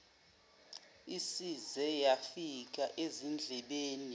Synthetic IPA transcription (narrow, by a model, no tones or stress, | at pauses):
isizɛjafik̬aʔezind͡ɮʱɛɓeːni